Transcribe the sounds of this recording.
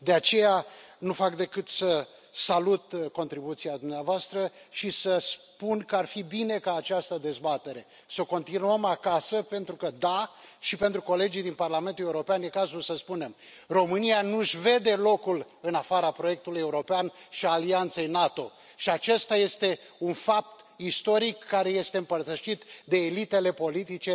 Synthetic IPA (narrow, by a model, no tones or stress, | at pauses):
d̪e̞at͡ʃe̞janufakd̪e̞kɨt̪sə | salut̪ko̞nt̪ɾibut̪siad̪umneavoast̪ɾəʃisəspunkəarfibine̞kaːt͡ʃast̪əd̪e̞zbat̪e̞ɾe̞ | so̞ko̞nt̪inuəmakasəpe̞nt̪ɾukəd̪aʃipe̞nt̪ɾuko̞le̞d͡ʒijd̪inparlame̞nt̪uleuɾo̞peanje̞kazulsəspune̞m | ro̞mɨnijanuʃve̞d̪e̞lo̞kul | ɨnafaɾapɾoje̞k̚t̪uluje̞uɾo̞peanʃiaːliant̪se̞jnat̪o̞ | ʃiat͡ʃe̞st̪aje̞st̪e̞ | unfap̚t̪ | ist̪o̞ɾikːaɾe̞je̞st̪eɨmpərt̪əʃit̪d̪e̞ːlit̪e̞le̞po̞lit̪it͡ʃe̞